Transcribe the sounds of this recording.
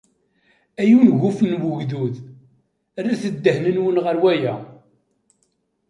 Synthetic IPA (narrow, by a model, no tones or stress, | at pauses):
æjunʝufənwʊʝðuð | rːæθəd̪ːəhnənwənʁəɾwæjæ